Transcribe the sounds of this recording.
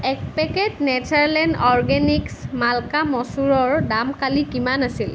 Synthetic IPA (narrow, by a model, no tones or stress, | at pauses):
ɛk̚pɛkɛtnɛtʰaɹlɛndɔɹɡɛniksmalkamɔsuɹɔɹdamkalikimanasil